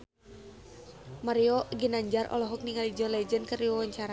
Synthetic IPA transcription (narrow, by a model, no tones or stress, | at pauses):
maɾiɔɡinaɲd͡ʒarʔɔ̰lɔɦɔk̚niŋalid͡ʒɔnlɛd͡ʒənkəriwawaɲt͡ʃaɾa